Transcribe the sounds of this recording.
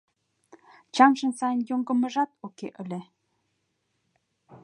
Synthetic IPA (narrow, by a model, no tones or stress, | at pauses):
t͡ɕɑmʃə̆nsɑjənjoŋɡə̆mə̆ʒɑt̪okeʔə̆lʲĕ